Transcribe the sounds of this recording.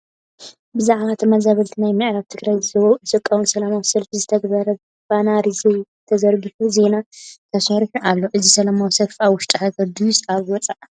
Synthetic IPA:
bɨzaʕβat̪ʰɨmazaβɐlt̪ʰinajmɨʕɾaβt̪ʰɨɡɾajzɨzɐβɐwuʔɨsʼɨkʼːawunsɐlamawsɐlfizɨt̪ʰɐɡbɐɾɐ | banaɾizej | t̪ʰɐzɐɾɡiħuze̞nat̪ʰɐsɐɾħuʔalːo̞ʔɨzisɐlamawsɐlfʔaβwʊʃt̪ʼɨħakʰɐd̪usaβwɔt͡sʼaʔ

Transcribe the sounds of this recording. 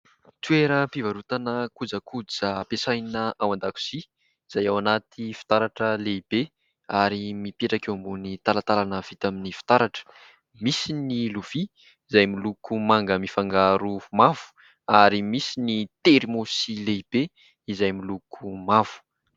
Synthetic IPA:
t̪ueɾəpivaɾut̪anəkud͡zakʰud͡zapesajnəʔawand̪aku̥si | iz̥ajawanat̪ʰifi̥t̪aɾaʈ͡ʂəleibe | aɾimipeʈ͡ʂakewambunit̪alat̪alanəv̥it̪aminifi̥t̪aɾaʈ͡ʂə̥ | misiniluv̥iː | zajmilukumaŋɡəmifaŋɡaɾumav̥u̥ | aɾimisinit̪eɾimosileib̥e | izajmilukʰumav̥u̥

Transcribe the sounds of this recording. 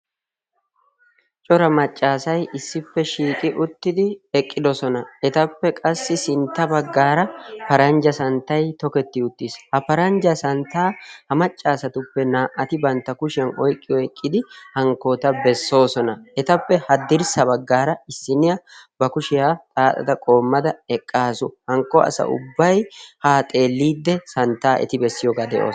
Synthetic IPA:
t͡ʃʼɔɾɐmɐt͡ʃʼːaːsɐjʔɪsːɪpːɛʃiːkʼɪʔʊt̪ːɪd̪ɪɛkʼːɪd̪ɔsɔnɐɛt̪ɐpːɛkʼɐsːɪsɪnt̪ːɐbɐɡːaːɾɐpɐɾɐnd͡ʒɐsɐnt̪ːɐjt̪ɔkɛt̪ːɪʊt̪ːishɐpɐɾɐnd͡ʒɐsɐnt̪aːhɐmɐt͡ʃʼːaːsɐt̪ʊpːɛnaːʔɐt̪ɪbɐnt̪ːɐkʊʃɪjɐnɔjkʼːɪjɔɛkʼːɪd̪ɪhɐŋkːoːt̪ɐbɛsːo̞ːsɔnɐɛt̪ɐpːɛhɐd̪ɪɾsɐbɐɡːaːɾɐɪsːɪnɪjɐbɐkʊʃɪjaːt̪ʼaːt̪ʼɐ̰d̪ɐkʼo̞ːmːɐd̪ɐɛkʼːaːsʊhɐŋkːɔɐ̰sɐ̰ʔʊ̰bːɐjhaːt̪ʼe̞ːlːiːd̪ːɛsɐnt̪ːaːʔɛ̰t̪ɪbɛsːɪjɔːɡaːd̪ɛʔo̰ː

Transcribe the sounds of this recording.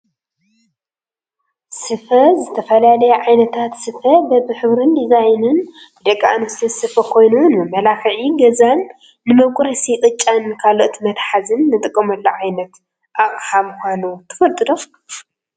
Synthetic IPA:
sɨfɐzɨt̪ʰɐfɐlalɐjɛʕajnɐt̪ʰat̪sɨfɐbɐbɨħɨβɾɨnd̪izajnɨn | bɨd̪ɐkʼːaa̰nost̪ʰɨsɨfɐkʰo̞jnunɨmɨmːɐlaxɨʕiɡɐzanː | ɨmɐβkʷʼɾɐsikʼɨt͡ʃʼːankʰalo̞ʔt̪ʰmɐt̪ħazɨnːɨt̪ʼɨkʼːɐmɐlːɐʕajnɐt̪ | ʔaχʼhamɨxʷanut̪ʰɨ̥fɐlt̪ʼɨd̪o

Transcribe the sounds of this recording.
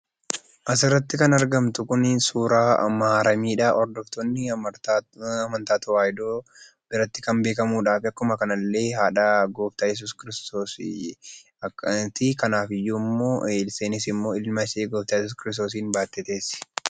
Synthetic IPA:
ʔɐs̬ɪrːɐt̪ːɪkɐnɐɾɡɐmt̪ʊkʊninsuːɾaːɐ̰maaːɾɐmiːᶑaːʔɔɾd̪ɔft̪ɔnːɪ | ɐmɐnt̪aːt̪ɐwaːjd̪oː | b̥ɪɾɐt̪ːɪkɐmbe̞ːkɐmuːᶑaːfɪɐkːʊmɐkɐnɐlːe̞ːɦaːᶑaːɡoːft̪aːjɛs̬uːskɪɾɪst̪oːs | t̪ikɐnaːfɪjːuːmːo̞ːɪlse̞ːnɪsɪmːo̞ːɪlmaɪseːɡoːft̪aːjɛsuːskɪɾɪst̪o̞ːs̬iːnbaːt̪ːet̪e̞ːsɪ̥

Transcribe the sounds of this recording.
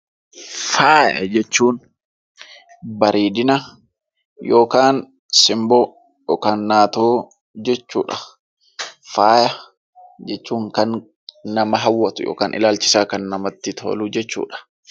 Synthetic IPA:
faːjɐ̰d͡ʒɛt͡ʃːuːn | bɐɾʔiːd̪ɪnɐ | jo̞ːkaːn | sɪmbo | ɔkanːaːt̪oː | d͡ʒɛt͡ʃːṵːᶑɐ̥ | faːjɐ | d͡ʒɛt͡ʃːuːŋkɐn | nɐmɐɦɐwːɐt̪ʊjo̰ːkaːnʔɪ̰laːlt͡ʃɪsaːkɐnːɐmɐt̪ːɪt̪ʰo̰ːluːd͡ʒɛt͡ʃːṵːᶑɐ̥

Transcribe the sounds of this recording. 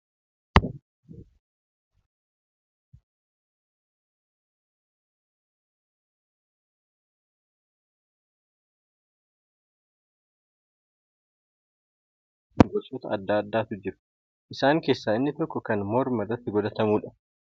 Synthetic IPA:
ɡɔt͡ʃʼːoːt̪ɐɐd̪ːaːɐd̪ːaːt̪ʊd͡ʒɪɾʊ̥ | ʔɪsaːŋke̞ːsːaːɪnːɪt̪ɔkːɔkɐnmɔɾmɐrːɐt̪ːɪɡɔd̪ɐt̪ɐmuːᶑɐ

